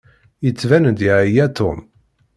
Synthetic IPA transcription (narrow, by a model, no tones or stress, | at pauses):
jət͡sːvænəd̪iʕijæt̪ʊ̰m